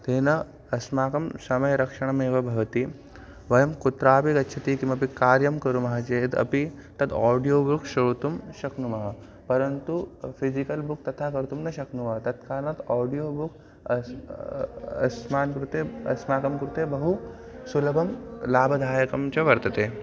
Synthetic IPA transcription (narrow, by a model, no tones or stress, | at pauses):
t̪eːnɐ | ɐsmaːkɐmsɐmɐjɐɾɐkʂɐɳ̃ɐmeːʋɐbʱɐʋɐt̪i | ʋɐjɐmkut̪ɾaːpikɐtːʃʰɐt̪ikimɐpikaːɾjɐmkɐɾumɐɦɐt͡ʃet̪ɐ̰pit̪ɐd̪ɔːɖijoːbukʃɐɭt̪umʃɐknumɐɦɐ | pɐɾɐnt̪ufizikɐlbuk̚t̪ɐt̪ʰakɐɾt̪umnɐʃɐknumɐɦɐt̪ɐt̪kaːɾɐnɐt̪ɔːɖijoːbuk | ɐ̰smaːnkɾut̪eɐ̰smaːkɐmkɾut̪ebɐɦu | sulɐbʱɐmlaːbʱɐd̪ʱaːjɐkɐmt͡ɕɐʋɐɾt̪ɐt̪eː